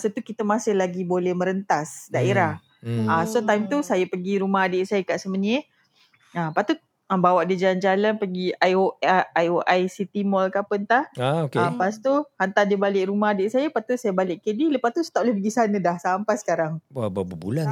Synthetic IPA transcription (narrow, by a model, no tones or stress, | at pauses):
sət̪ukit̪əmasɪhlaɡibolɛhmə̃ɾənt̪asdaʔeɾah | asot̪ajmt̪usajəpəɡiɾumaɦadɪʔsajəkaʔsəməɲ | ampat̪ut̪̚ | abawaʔdid͡ʒaland͡ʒalanpəɡiajoajoʔajsit̪imɔlkapənt̪ahaokeapast̪uhant̪adibalɪʔɾumaɦadɪʔsajəpat̪usajəbalɪʔkədiləpast̪usə̥t̪aʔlahpəɡisanə̃dahsampasə̥kaɾaŋwababəbṵlan